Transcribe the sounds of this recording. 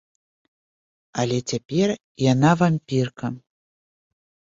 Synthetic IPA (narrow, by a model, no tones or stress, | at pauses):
alʲɛt͡sʲapʲɛr | janavamʲpʲirkɐ